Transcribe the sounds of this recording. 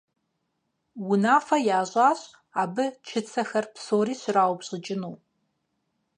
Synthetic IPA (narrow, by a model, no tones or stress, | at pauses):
wʊnaːfɐjaːʑʷʼaːɕʼ | aːbɨt͡ʃʰɨt͡sʰɐxɐrpsoːɾiːɕɪraːwʷbɕʼɪd͡ʒʼɪnuː